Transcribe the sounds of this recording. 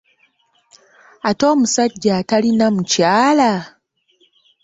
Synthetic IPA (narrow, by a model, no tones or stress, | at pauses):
atɔmusad͡ʒatalinam̩t͡ʃiala